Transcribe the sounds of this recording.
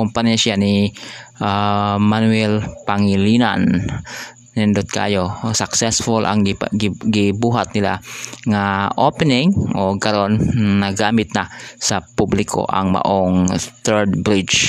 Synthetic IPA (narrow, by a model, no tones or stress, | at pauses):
kʊmpanjasɪanɪʔamanwɛlpaŋɪlina̰nː | ɪnd̪ʊt̪̚kaajosaksɛsfʊlʔa̰ŋɡɪbuːɦat̪̚nɪla̰ŋaʔopɛnɪŋʔokaɾonːaɡaːmɪt̪̚nasapublɪkʰo̰ʔa̰ŋma̰ʔoŋθɛɹd̪bɾɪt͡ʃ